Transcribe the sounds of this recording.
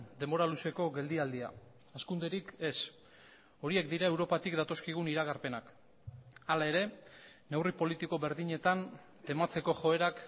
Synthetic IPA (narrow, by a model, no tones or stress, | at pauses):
d̪e̞mo̞ɾaluse̞ko̞ɣe̞ld̪iald̪ia̰ | askund̪e̞ɾike̞s | o̞ɾie̞k̚d̪iɾae̞wɾo̞pat̪ikd̪at̪o̞skiɣ̞uniɾaɣ̞aɾpe̞nak | alae̞ɾe̞ne̞wripo̞lit̪iko̞βe̞ɾðiɲe̞t̪an | t̪e̞mat͡se̞ko̞ʝo̞e̞ɾak